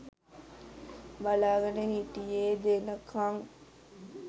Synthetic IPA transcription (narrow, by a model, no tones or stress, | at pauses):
balaːɡɐnəɦiʈijeːd̪eːnɐkʰɐŋ